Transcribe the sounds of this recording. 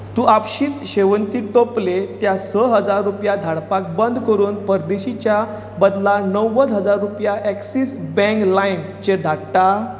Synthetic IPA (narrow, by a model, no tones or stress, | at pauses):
t̪uːapɕiːt̪ɕeʋənt̪iːʈoplet̪jasəɦəd͡zaɾːupjad̪ʱaɽpak̚bənd̪ʱkəɾuːnpəɾd̪eɕit͡ɕja | bəd̪lanəwːəd̪ɦəd͡zaɾːupjaʔɛksisbɛ̃ŋklajn | t͡ɕed̪ʱaɽʈa